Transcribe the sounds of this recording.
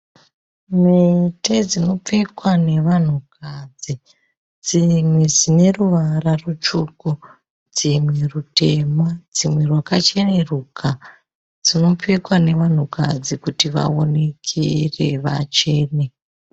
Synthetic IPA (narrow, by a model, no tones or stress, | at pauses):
meted͡zino̞p͡fekwane̞ʋan̤ukad͡zi | d͡zimwe̞d͡zine̞ruʋararut͡ʃuːku | d͡zimwerute̞mad͡zimwe̞rwakat͡ʃeneruːkʰa | d͡zino̞p͡fekwane̞ʋan̤uka̰d͡zikutiʋa̰o̞ne̞kʰere̞̰ʋa̰t͡ʃe̞ːne